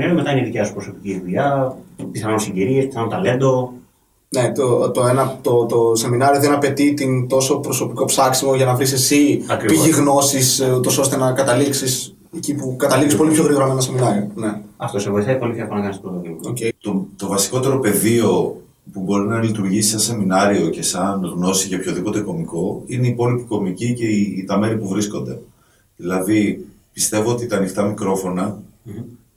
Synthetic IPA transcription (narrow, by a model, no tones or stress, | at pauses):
nɐɾiomet̪ɐineðiceosupɾo̞so̞piciðuʎɐpiθɐnonsiɲɟiɾiespi̥θɐnot̪ɐle̞nd̪o̞ | net̪ot̪oenɐt̪o̞t̪o̞se̞minɐɾio̞ðe̞nɐpe̞t̪it̪int̪o̞so̞pɾo̞so̞piko̞psɐksimoʝɐnɐvɾisesiɐkɾipiʝiɣno̞sisut̪o̞so̞st̪enɐkɐt̪ɐliksis | ecipukɐt̪ɐlikispo̞lipço̞ɣɾiɣo̞ɾoɐmenɐse̞minɐɾione̞ɐft̪osevoisɐipo̞lipçɐponɐkɐnist̪o̥pɾot̪oðimo̰cet̪ot̪o̞vɐsi̥ko̞t̪e̞ɾo̞pe̞ðio̞ | pubo̞ɾinɐlit̪uɾʝisi̥sɐnse̞minɐɾio̞ce̞sɐnɣno̞siʝɐpço̞ðipo̞t̪e̞ko̞miko̞ineipo̞lipiko̞micice̞ːt̪ɐme̞ɾipuvɾisko̞nd̪e̞ | ðilɐði | pist̪e̞voot̪it̪ɐːnixt̪ɐmikɾo̞fo̞nɐ